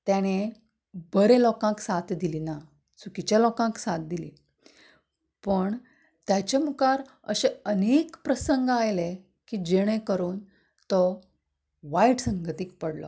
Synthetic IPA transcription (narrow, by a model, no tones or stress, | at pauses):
t̪jaɽ̃e | bəɾelɔkãksat̪d̪ilina | sukit͡ɕalɔkãksat̪̚d̪ilḭ | pəɳ | t̪jat͡ɕemukaɾ | əɕeənekpɾəsəŋɡajle | kid͡ʑeɽ̃ekəɾuːn | t̪ɔ | ʋaiʈsəŋɡt̪ik̚pəɽlɔ̰